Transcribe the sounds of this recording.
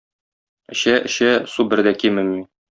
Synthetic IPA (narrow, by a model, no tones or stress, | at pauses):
ɘ̆ɕæʔɘ̆ɕæsubɘ̆ɾd̪ækimɘ̆min